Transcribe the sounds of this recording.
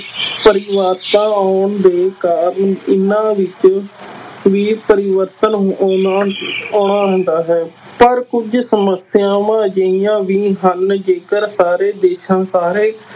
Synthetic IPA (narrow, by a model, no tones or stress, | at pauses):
pəɾɪʋət̪ãːaːɳd̪eːkaːɾəɳɪnãːʋɪt͡ʃ | ʋiːpəɾɪʋəɾt̪ənː | oːɳaːɦə̃nd̪aːɦɛː | pəɾkʊd͡ʒsəməsɪjãːʋãːd͡ʒəijãːʋiːɦənd͡ʒeːkəɾsaːɾeːd̪eːʃãːsaːɾeː